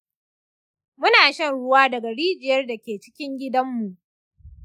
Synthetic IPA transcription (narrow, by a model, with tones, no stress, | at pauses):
mʊ˦naː˨ʃɐ˦nɽʊ˦waː˦dɐ˨ɡa˨ɽiː˦d͡ʒɪ˨jɐ˦rda˨kʲeː˨t͡ʃɪ̥˦kʲɪ˦ŋɡʲɪ˦dɐ˦mːu˨ʔ